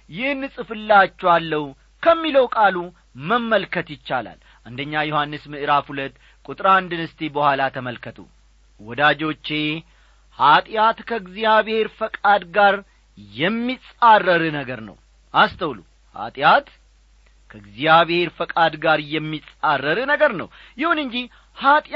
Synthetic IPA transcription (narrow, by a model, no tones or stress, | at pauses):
jɪhnːɨsʼɨfɨlːat͡ʃːɛwalːəw | kʰəmːiləwkʼalu | məmːəlkʰət̪jɪt͡ʃːala̰l | ʔɨnd̪əɲːajohanːɨsmɨʔɨɾafhulət̪ː | kʼut̪ʼɾand̪ɨnɨst̪ʰebəhʷalat̪ʰəməlkʰət̪ʰṵ | wɔd̪ad͡ʒo̞t͡ʃːe̞ | hat̪ʼjat̪kʰəɡzijaβhe̞ɾfəkʼad̪ɡaɾ | jɛmːisʼarːəɾɨnəɡəɾnə̰w | ʔast̪ʰəwlṵ | ha̰t̪ʼjat̪ | kʰəɨɡzijaβheɾfəkʼad̪ɡaɾjɛmːit͡sʼarːəɾɨnəɡəɾnə̰w | jɪhunɨɲd͡ʒi | hat̪ʼ